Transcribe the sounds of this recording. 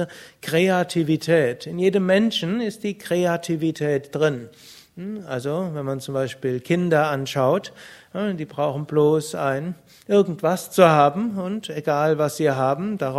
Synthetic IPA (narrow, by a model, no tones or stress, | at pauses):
əkʁ̥eatʰivitʰɛːtɪnjeːdəmːɛnʃn̩ɪstd̥iːkʁ̥eatʰivitʰɛːtd̥ʁɪn | ʔalzovɛnmant͡sʊmbaɪʃpiːlkʰɪndɐʔanʃaʊtd̥iːbʁaʊxn̩bloːsaɪn | ʔɪɐɡŋ̩tv̥ast͡suhaːbm̩ʊnteɡaːlvasz̥iːɦaːbm̩d̥aʁa